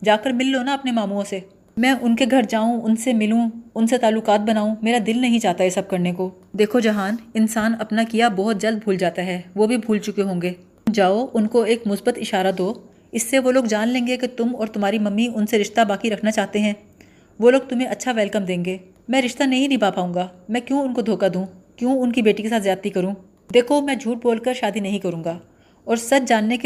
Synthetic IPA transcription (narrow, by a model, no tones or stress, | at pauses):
d͡ʒaːkəɾmɪlːonaɐpnemaːmuːõse | mɛ̃ːʔʊnkeɡʱɐɾd͡ʒaːũʊnsemɪlũʊnset̪aːlːʊkaːt̪̚bɐnaːũmeːɾad̪ɪlnɐɦĩt͡ʃaːɦt̪aɦɛsɐb̚kɐɾneko | d̪eːkʰod͡ʒɐɦaːnɪnsaːnɐpnakijabɔɦʊt̪̚d͡ʒɐld̪̚bʱuːld͡ʒaːt̪aɦɛːʋoːbʱibʱuːlt͡ʃʊkeɦõːŋɡeː | d͡ʒaːoʔʊnkoeːkmʊsbət̪ɪʃaːɾad̪oː | ɪsːeʋoːloːɡd͡ʒaːnlẽːŋɡeket̪ʊmɔːɾt̪ʊmɦaːɾimɐmːiʊnseɾɪʃt̪abaːkiɾɐkʰnat͡ʃaːɦt̪eɦɛ̃ː | ʋoːloːɡ̚t̪ʊm̤ɦẽʔɐtːʃʰaʋɛːlkəmd̪ẽːŋɡeː | mɛ̃ːɾɪʃt̪anɐɦĩnĩbaːpaːũːŋɡaːmɛ̃ːkjũːʊnkod̪ʱoːkad̪ũːkjũːʊnkibeːʈikesaːt̪zjaːt̪ːikɐɾũː | d̪eːkʰomɛ̃ːd͡ʒʱuːʈ̚boːlkəɾʃaːd̪inɐɦĩkɐɾũːŋɡaː | ɔːɾsɐt͡ʃʰd͡ʒaːnːek